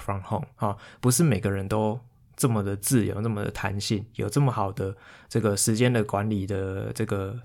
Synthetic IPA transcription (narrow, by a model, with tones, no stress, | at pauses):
fɑ˥ŋhɔ̰˥˩ŋhɔ˨˩pu˧˥ʂ̬ɻ̩˥˩me˨˩ɪɡə˦ɻə˧˦nt̪o˦ʊ | ʈ͡ʂə˥˩mə˨˩d̪ə˩t͡sɹ̩˥˩jo̰˧˦ʈ͡ʂə˥˩mə˨d̪ə̰˨t̪ʰa̰˧˦nɕi˥˩ŋjo˨˩ʈ͡ʂə˥˩mə˩xɑ˨˩ʊd̪ə˦ʈ͡ʂɤ˥˩ɡə˩ʂɻ̩˧˥t͡ɕjɛ˦˥nd̪ə˨kwa˧˦nli˨˩d̪ə˦ʈ͡ʂɤ˥˩ɡə˩